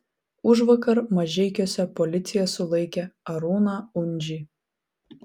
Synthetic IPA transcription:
ʊʒʋɐkɐɾmɐʒʲɛɪkʲoːsʲɛpɔlʲɪt̪sʲɪjɛsʊlˠɐɪkʲɛɐɾuːnɑʊnʲd͡ʒʲiː

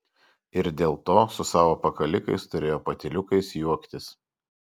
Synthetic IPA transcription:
ɪɾd̪ʲeːlˠt̪oːsʊsɑːʋoːpɐkɐlʲɪkɐɪst̪ʊɾʲeːjoːpɐt̪ʲɪlʲʊkɐɪsjuɔkt̪ʲɪs

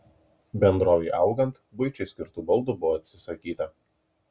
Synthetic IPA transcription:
bʲɛnd̪ɾoːʋʲɛɪʔɐʊɡɐnt̪bʊɪt͡ʃʲɛɪsʲkʲɪɾt̪uːbɐlˠd̪uˑbʊʋoːɐt̪ʲsʲɪsɐkʲiːt̪ɐ

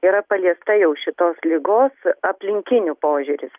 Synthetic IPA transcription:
iːɾɐpɐlʲiɛst̪ɐjɛʊʃʲɪt̪oːslʲɪɡoːsɐpʲlʲɪŋʲkʲɪnʲʊpoːʒʲʊɾʲɪs

